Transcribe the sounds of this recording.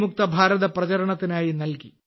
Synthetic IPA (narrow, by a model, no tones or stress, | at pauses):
muk̚t̪ɐbʱaːɾɐðɐprɐt͡ɕɐɾɐɳɐt̪ːinaːjinɐlki